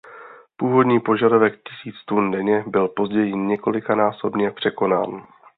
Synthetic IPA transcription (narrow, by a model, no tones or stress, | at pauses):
puːvo̞dɲiːpo̞ʒadovɛkcɪsiːt͡st̪undɛɲɛbɪlpo̞zɟɛjɪɲɛko̞lɪkanaːso̞bɲɛpr̝̥ɛko̞na̰ːn